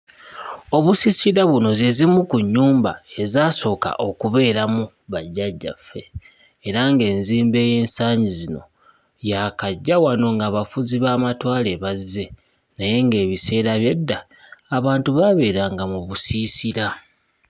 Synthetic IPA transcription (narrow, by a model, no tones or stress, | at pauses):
o̞βusiːsiɾaβuno̞zezimukuɲːuːmba̰e̞zaːso̞ːka̰ʔo̞kuβe̞ːɾamu | βaɟːaɟːa̰fːe̞ː | ɾaŋɡe̞ːnziːmbe̞ːje̞ːnsaːɲɟizino̞̰ | jakaɟːawano̞ŋɡaːβafuziβaːmatwaːle̞βazːe̞ | naje̞ŋɡe̞ːβise̞ːɾaβje̞dːaː | βaːntuβaβe̞ːɾaŋɡamuβusisiɾa